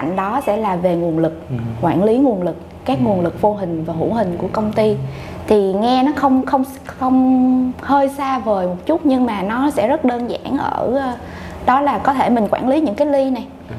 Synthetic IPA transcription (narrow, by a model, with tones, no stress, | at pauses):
a̰˧˨ŋ̟ɗɔ˨˦sɛ̰˧˥laː˨˩ve˨˩ŋu˨˩ənlɨ˨˩k̚kwa̰ː˧˩nli˨˦ŋu˨˩ənlɨ˨˩k̚ | kaː˦˥k̚ŋu˨˩ənlɨ˨˩k̚vo˧ɦï˨˩ŋ̟vaː˨˩ɦṵ˧˩ɦï˨˩ŋ̟ku˧˩əkə˧wŋ͡mt̪i˧ | t̪ʰi˨˩ŋɛ˧nɔ˨˦xə˧wŋ͡mxə˧wŋ͡m | xə˧wŋ͡mhəː˧jsaː˧vəː˨˩jmo˨˩t̚t͡ɕʊ˦˥t̚ɲɨ˧ŋmaː˨˩nɔ˨˦sɛ̰˧˥zə˦˥t̚ɗəː˧nza̰ː˧˩˨nʔəː˧˩˧ | ɗɔ˨˦laː˨˩kɔ˨˦t̪ʰe˧˩mï˨˩ŋ̟kwa̰ː˧˩nli˨˦ɲɨ̰˧˥ŋkaː˨˦jli˧na˨˩j